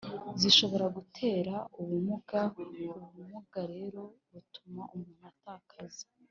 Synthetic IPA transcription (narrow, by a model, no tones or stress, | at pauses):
ziʃo̞βo̞ɾaɡutʰe̞ːɾauβumuɡamoumumuɡaɾe̞ɾo̞βutumaʔumuːn̥hataːkʰazi